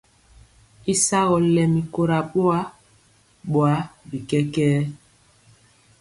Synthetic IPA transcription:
i˦sa˦ɣɔ˨lɛ˨mi˨ko˨ɾa˨ɓo˦a˦ | ɓo˨a˨˦bi˨kɛ˦kɛː˦

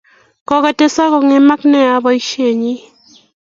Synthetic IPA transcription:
kɔ˦ka˨te˦sa˦kɔ˨ŋe˦˨ma˦knɛ˦a˨˦bɔ˨˦i˦ʃe˨ɲi˦

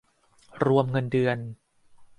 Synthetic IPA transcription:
ɾu˧əmŋɤ˧ndɯ˧ən

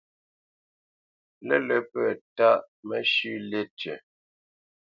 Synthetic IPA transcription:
lə˦lə˨pə˨ta˦ʔ | mə˦ʃʉ˦le˦t͡ʃə˨

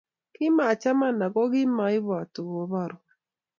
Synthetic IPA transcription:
kɪ˦ma˨t͡ʃa˦ma˦na˨ɡɔ˦ɣɪ˦ma˨˦ɪ˦βwa˨to˨ɡo˨˦βa˦˨ɾo˨

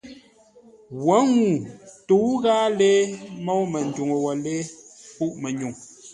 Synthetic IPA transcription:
wɔ˨˦ŋu˨tu˨˦ɣaː˦le˦mɔ˦wmə˨n̩˨du˨ŋə˨wɔ˨le˦pu˦ʔmɛ˨ɲu˨ŋ

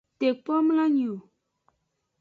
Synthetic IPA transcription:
te˨k̚pɔ˦m˦lã˦ɲ˨o˨

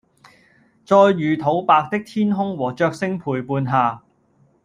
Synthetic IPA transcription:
t͡sɔː˧jːyː˨˩t̪ʰo˨˥wpaː˧k̚t̪ɪ˥k̚t̪ʰiː˥nɦʊ˥ŋwɔː˨˩t͡ʃœː˧k̚sɪ˥ŋpʰuː˨˩jpuː˧nɦaː˨˩

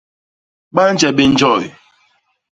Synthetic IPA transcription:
k͡pa˦n̩˦d͡ʒɛ˨bɪ˦n̩˦d͡ʒɔ˦˨jɪ˨

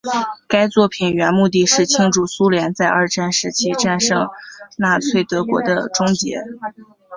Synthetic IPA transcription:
ka˥ɪt͡swɔ˥˩pʰi˨˩nɥɛ˧˥nmu˥˧t̪̬i˥˧ʂɻ̩˥˩t͡ɕʰi˥ŋʈ͡ʂu˥˩su˥ljɛ˧˥nt͡sa˥˧ɪʔɐ˞˥˧ʈ͡ʂa˥˩nʂɻ̩˧˥t͡ɕʰi˥ʈ͡ʂa˥˧nʂɤ˥˧ŋna˥˩t͡sʰwe˥˩ɪt̪ɤ˧˥kwɔ̰˧˥d̪ə˧ʈ͡ʂʊ˥ŋt͡ɕjɛ̰˧˥

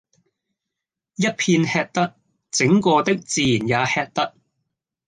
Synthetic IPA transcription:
jɐ˥t̚pʰiː˧nhɛː˧t̚t̪ɐ˥t̚ | t͡sɪ˨˥ŋkɔː˧t̪ɪ˥k̚t͡siː˨˧jiː˨˩njaː˨˧hɛː˧t̚t̪ɐ˥t̚

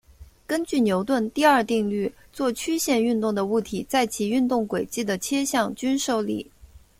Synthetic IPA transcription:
kə˥nt͡ɕy˥˩njo˧˥ʊt̪wə˥˧nt̪i˥˧ɐ˞˥˧t̪i˥˧ŋly˥˩t͡swɔ˥˩t͡ɕʰy˥ɕjɛ˥˧ny˥˧nt̪ʊ˥˩ŋd̪ə˩u˥˩t̪ʰi˨˩˦t͡sa˥˩ɪt͡ɕʰi˨˩y˥˧nt̪ʊ˥˩ŋkwe˨˩ɪt͡ɕi˥˩d̪ə˩t͡ɕʰjɛ˥ɕjɑ˥˧ŋt͡ɕy˥nʂo˥˧ʊlḭ˥˩

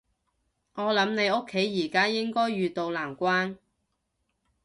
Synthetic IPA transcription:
ŋɔː˨˧lɐ˨˧˥mne˨˧jʊ˥kʰːe˨˥jːiː˨˩kaː˥jɪ˥ŋkɔː˥jːyː˧t̪o˧wlaː˨˩mkʷaː˥n

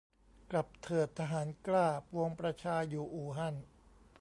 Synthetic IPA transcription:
kla˨˩p̚t̪ʰɤː˨˩t̪ʰːa˧ɦaː˩˦nklaː˥˩pu˧əŋpɾa˧t͡ɕʰaː˧juː˨˩ʔuː˨˩ɦa˧˥˩n

